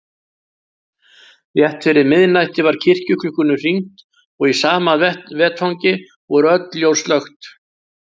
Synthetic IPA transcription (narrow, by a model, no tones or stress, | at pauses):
θjɛht̪fɪɾɪɾmɪðnajt̪ɪvaɾ̥cʰɪr̥cʏkʰlʏhkːʏnʏr̥iŋ̥t̪ | ɔɣisaːmavɛːt̪hɔwŋcɪ | vɔɾœt̪ljowst̪lœxt̪